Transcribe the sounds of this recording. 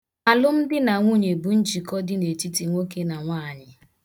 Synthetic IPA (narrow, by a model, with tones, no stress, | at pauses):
a˨lʊ˦m̩˦dɪ˦na˨ŋʷu˦˨ɲe˨bu˨n̩˦t͡ʃi˨kɔ˦dɪ˦ne˨ti˦ti˨ŋʷo˦ke˦na˨ŋʷaː˦˨ɲɪ˨